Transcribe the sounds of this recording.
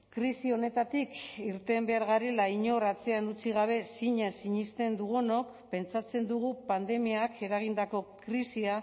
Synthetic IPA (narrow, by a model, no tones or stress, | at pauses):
kɾisio̞ne̞t̪at̪ikiɾt̪e̞mbe̞aɾɣaɾe̞laiɲo̞rat͡se̞anut͡siɣ̞aβ̞e̞siɲasiɲist̪e̞nd̪uɣ̞ono̞k | pe̞nt͡sat͡se̞nd̪uɣ̞upand̪e̞miakʰe̞ɾaɣ̞ind̪ako̞kɾisia